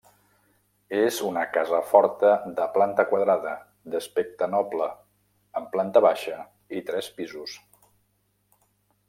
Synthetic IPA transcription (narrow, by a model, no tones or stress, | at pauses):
ezunəkazəfɔɾt̪əðəplant̪əkwəðɾaðə | d̪əspek̚t̪ənɔpləː | mplant̪əβaʃə | it̪ɾɛspizus